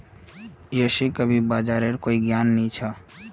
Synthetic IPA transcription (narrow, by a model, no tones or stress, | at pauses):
jeːʃikəbʱibaːd͡ʒaːɾeɾkoːiɡjaːnːĩt͡ʃʰa